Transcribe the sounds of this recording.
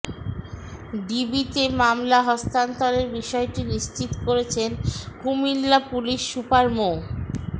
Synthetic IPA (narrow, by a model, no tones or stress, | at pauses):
ɖibit̪emamlaɦɔst̪ant̪ɔleɾbiʃɔeʈiniʃt͡ɕit̪o̥koɾet͡ɕʰenkumilːapuliʃːupaɾmo